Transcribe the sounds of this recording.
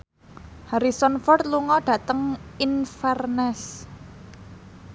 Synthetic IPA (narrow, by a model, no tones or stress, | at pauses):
haɾisɔnfɔrt̪luŋɔɖ̥ä̤t̪əŋinfɛrnɛs